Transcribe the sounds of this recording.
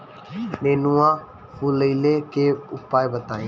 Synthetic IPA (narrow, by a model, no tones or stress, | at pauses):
meːnũːãː | fʰuləileːkeːʊpːaːebət̪aːẽː